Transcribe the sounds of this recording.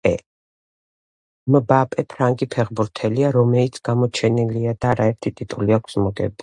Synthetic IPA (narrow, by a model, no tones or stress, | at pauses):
ɛ̰ | mbapʼɛpʰɾaŋɡʼipʰɛʁbuɾt̪ʰɛliaɾɔmɛlit̪sʰɡ̥amɔt͡ʃʰɛniliad̪aːɾaɛɾt̪ʰit̪ʼit̪ʼuliakʷʰsmɔɡɛ̰b